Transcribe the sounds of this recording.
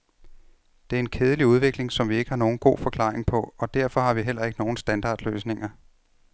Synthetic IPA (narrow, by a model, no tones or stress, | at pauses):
d̥e̝æɐe̝nkʰeːð̞ˠəliuðˠʋe̝ɡ̥le̝ŋsɒ̽mʋie̝ɡ̥əhɑ̈no̝ːn̩ɡ̥o̝̰ːfɒ̽kʰlɑ̰̈ːeŋpʰɒ̽ɒ̽d̥æɐ̰fɒ̽hɑ̈ʋiɦel̰ɐe̝ɡ̥əno̝ːn̩sd̥ænd̥ɑ̰̈ːd̥lø̰ːsne̝ŋɐ